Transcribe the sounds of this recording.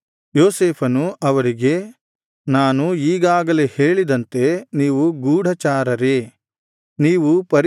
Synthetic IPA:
joːseːpʰɐnuʔɐʋɐɾiɡe̞ | naːnuiːɡaːɡɐleheːɭid̪ɐnt̪e̞niːʋuɡuːɽʱɐt͡ʃaːɾɐɾe | niːʋupɐɾ

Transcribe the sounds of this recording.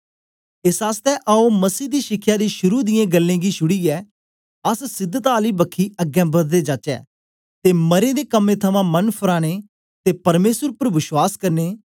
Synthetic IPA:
ɪsaːst̪ɛːʔaoməsiːd̪iːʃɪkʰːjaːd̪iːʃʊɾuːd̪ɪjẽːɡəlːẽːɡiːʃʊɽiːɛː | əssɪd̪ːət̪aːliːbəkʰːiːəɡɛ̃ːbəd̪d̪eːd͡ʒaːt͡ʃɛ̰ː | t̪eːməɾẽːd̪eːkəmːẽːt̪ʰəmãːmənpʰʊɾaːɽ̃eː | t̪eːpɐɾmeːsəɾʊpəɾʋɪʃwaːskəɾneː

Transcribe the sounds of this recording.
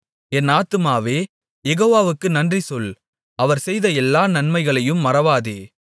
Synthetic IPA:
ɛnaːt̪ɯmaːʋeː | jɛɣoːʋaːʋɯkːɯnɐndrisɔl | ɐʋɐɾsɛjðɐɛlːaːnɐnmɐɪɣɐɭɐjɯmːɐrɐʋaːðeː

